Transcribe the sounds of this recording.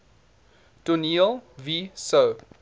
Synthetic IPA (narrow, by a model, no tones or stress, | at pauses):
d̥unilviso